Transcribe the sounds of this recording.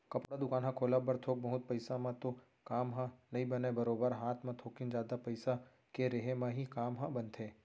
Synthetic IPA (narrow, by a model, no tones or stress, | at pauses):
kɐpɽad̪ʊkaːnɦãkʰoːlabɐɾt̪ʰoːk̚bɐɦʊt̪̚pɐɪsamãt̪o | kaːmɦãnɐɦĩbɐnebɐɾoːbəɾɦaːt̪ʰmãt̪ʰoːkɪnd͡ʒaːd̪apɐɪsa | keɾeɦemãɦikaːmɦãbənt̪ʰẽː